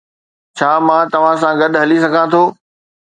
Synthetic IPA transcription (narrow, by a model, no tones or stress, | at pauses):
t͡ɕʰaːmãːt̪ɐʋ̤ãs̬ãɡɐɗɦɐlisɐɡʱãt̪ʰoː